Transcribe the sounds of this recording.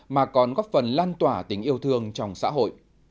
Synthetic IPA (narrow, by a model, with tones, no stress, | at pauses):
maː˨˩kɔ˨˩nɣɔ˦˥p̚fə˨˩nlaː˧nt̪waː˧˩t̪ï˨˦ŋ̟ʔi˧əwt̪ʰɨ˧əŋt͡ɕɔ˧˩wŋ͡msa̰ː˧˥ɦo̰˧˨jʔ